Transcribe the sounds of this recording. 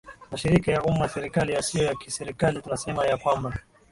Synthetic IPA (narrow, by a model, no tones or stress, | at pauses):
maʃiɾikajaʔumaasɛɾikalijasijɔjakisɛɾikalitunasɛmajakwamba